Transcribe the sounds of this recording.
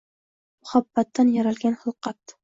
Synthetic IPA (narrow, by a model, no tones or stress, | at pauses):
mʊhabːat̪ːanjaɾalɡʲanhɨlˠqɑt̪